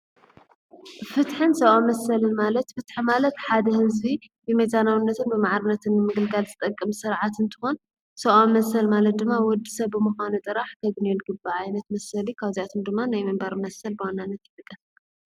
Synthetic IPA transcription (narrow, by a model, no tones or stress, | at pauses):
fɨt̪ħɨnsɐʔamɐsːɐlɨnmalɐt̪fɨt̪ħimalɐt̪ħad̪ɐhɨzbi | bɛmɐjzanawɨnːɐt̪ʰɨnbɨmaʕɾɨnːɐt̪ʰɨnːɨmɨɡɨlɡalzʰɨt̪ʼɐkʼːɨmsɨɾʕat̪ɨnt̪ʰɨ̥xon | sɐʔomɐsɐlmalɐt̪̚d̪ɨmːawɔd̪ːisɐβːɨmɨxanut̪ʼɨɾaħkʰɐbnenɡɨbaʕajnɐt̪mɐsɐlikʰaβzijat̪ʰɨmd̪ɨmːanajmɨmbaɾmɐsɐlbɨwanːanːɐt̪jɪt̪ʼɨkʼːɐf